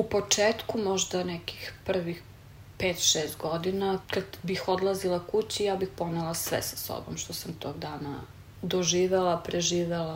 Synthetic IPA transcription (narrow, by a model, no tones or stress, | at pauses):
upot͡ʂeːt̪kumoʒd̪anɛki̥xpr̩ʋix | peːt̪ʃeːst̪ɡod̪inakad̪bixod̪lˠazilˠakut͡ɕijaːbixponelˠasʋɛ̰sḁso̰bo̰mʃt̪osamt̪oːɡd̪aːna | d̪oʒiːʋelˠapɾeʒiːʋelˠa